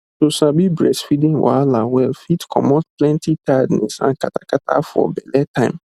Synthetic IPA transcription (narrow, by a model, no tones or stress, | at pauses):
sosabibɹɛsfidĩwa̰lawɛlfitkʰɔ̰mɔt̚plɛ̃ntitʰadnɛ̰sã̰nkatakatʰa̰fɔ̰bɛlɛtãɪ̃m